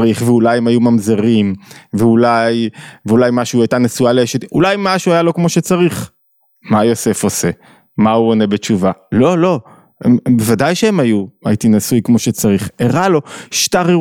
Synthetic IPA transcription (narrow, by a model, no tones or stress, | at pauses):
ʁiχveulajemajumamzeʁimveulajveulajmaʃuajtanesualeeʃet̪ulajmaʃuajalo̞kmo̞ʃet͡saʁiχ | majo̞se̞fo̞se̞ | mauone̞bet͡ʃuvalo̞lo̞ | embevadajʃeemajuajitinasujkmo̞ʃet͡saʁiχeʁalo̞ʃtaʁi